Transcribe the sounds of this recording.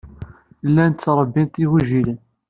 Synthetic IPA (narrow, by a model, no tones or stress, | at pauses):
lːænt̪t͡sːɾˤəbːint̪iɣuʒilən